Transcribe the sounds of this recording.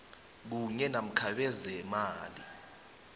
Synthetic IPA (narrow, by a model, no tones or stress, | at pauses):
k̬uɲɛnam̩kʰaɓɛzɛmaːli